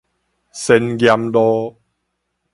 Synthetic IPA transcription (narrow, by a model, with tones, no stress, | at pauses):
sɛ˧nɡja˧mlɔ˦